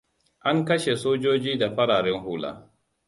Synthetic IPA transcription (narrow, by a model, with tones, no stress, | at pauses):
ʔa˦ŋkɐ˦ʃe˨soː˦d͡ʒoː˦d͡ʒiː˦da˨ɸɐ˦ɽaː˨ɾɛ˦ŋhʊː˦la̰ː˦